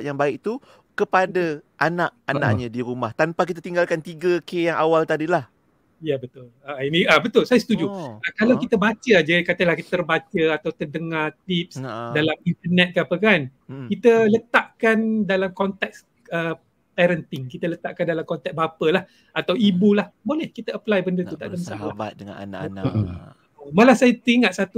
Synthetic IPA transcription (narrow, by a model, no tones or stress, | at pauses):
ʔjaŋbaɪʔ̚t̪u | kəpadaʔanaʔana̰ʔɲadiɾumaht̪anpak̬it̪at̪iŋɡalkant̪iɡəkejaŋawalt̪adilah | jabət̪ʊlainiabət̪ʊlsajəsət̪ud͡ʒuəkalawkit̪əbat͡ʃəd͡ʒaikat̪əlahkiərbat͡ʃəat̪awt̪ədəŋat̪ip̚sdalamint̪ərnɛt̪̚kəapəkan | kit̪ələt̪aʔkandalamkɔnt̪ɛk̚s | ə | pɛɾənt̪ɪŋkit̪ələt̪aʔkandalamkɔnt̪ɛk̚bapəlah | at̪awibulahbolɛhkit̪əəplajbəndət̪ut̪a̰ʔdəmsa̰ʔladəŋabə | omalahsajat̪əɾiŋaʔ̪̚sat̪u